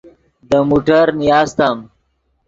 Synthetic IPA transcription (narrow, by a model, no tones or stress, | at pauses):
d̪əmuʈəɾnijɑːst̪am